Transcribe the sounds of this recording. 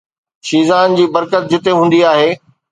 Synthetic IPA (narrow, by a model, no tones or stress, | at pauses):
ʃiːzaːnd͡ʑiːbɐɾkət̪̚d͡ʑɪt̪eɦũːn̆d̪iaːɦeː